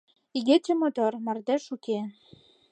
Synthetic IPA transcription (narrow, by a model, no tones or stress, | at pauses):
iɣet͡ɕɘ̆mot̪ormɑrd̪æʃuke